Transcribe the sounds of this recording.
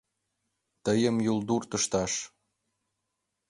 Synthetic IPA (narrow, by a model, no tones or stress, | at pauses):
t̪əjə̆mjuld̪urt̪ə̆ʃt̪ɑʃ